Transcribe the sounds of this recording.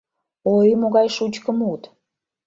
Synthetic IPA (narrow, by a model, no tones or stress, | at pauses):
ojmoɣɑjʃut͡ɕkəmut̪